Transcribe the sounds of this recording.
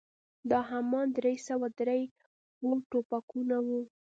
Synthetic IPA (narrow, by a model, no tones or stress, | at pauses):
d̪ɑɦamɑnd̪ɾejsawad̪ɾej | wulʈopakunawu